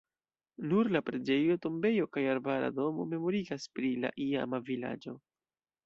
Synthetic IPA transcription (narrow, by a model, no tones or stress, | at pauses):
nuɾlapɾe̞d͡ʒe̞jo̞to̞mbe̞jo̞kajaɾbaɾa̰do̞mo̞̰me̞mo̞ɾiɡaspɾila̰ʔia̰mavila̰d͡ʒo̞